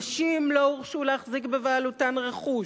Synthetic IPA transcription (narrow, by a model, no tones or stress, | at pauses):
ʃimlouʁʃuleaχzikbevealutanʁeχu